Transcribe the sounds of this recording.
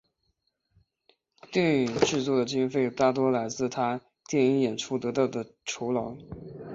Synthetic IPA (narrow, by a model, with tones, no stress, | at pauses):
t̪i˥˩ny˨˩ʈ͡ʂɻ̩˥˧t͡swɔ˥˩d̪ə˩t͡ɕi˥nfe˥˩ɪt̪a˥˩t̪̬wɔ˥la˧˥ɪt͡sɹ̩˥˩t̪ʰa˥ | t̪jɛ˥˩ni˥ŋjɛ˨˩nʈ͡ʂʰu˥t̪ɤ˧˥t̪ɑ˥˩ʊd̪ə˩ʈ͡ʂʰo˧˥ʊlɑ˧˥ʊ